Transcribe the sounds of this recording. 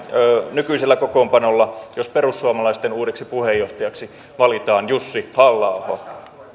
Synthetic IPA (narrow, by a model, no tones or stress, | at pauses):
nykyiselːækokoːmpɑnolːɑjospeɾusːuɑmɑlɑist̪enuːɾeksipuhejːoht̪ɑjɑksi | ʋɑlit̪ɑːnjusːihɑlːɑuhoɑ